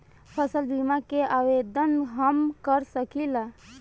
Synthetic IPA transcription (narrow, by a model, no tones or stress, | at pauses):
pʰəsəlbimakeawed̪ənɦəmkəɾsəkila